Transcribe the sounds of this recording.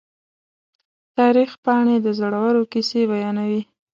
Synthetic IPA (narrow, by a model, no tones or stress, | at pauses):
t̪ɑɾixpɑɳed̪əzoɽawəɾokisebajɑnawi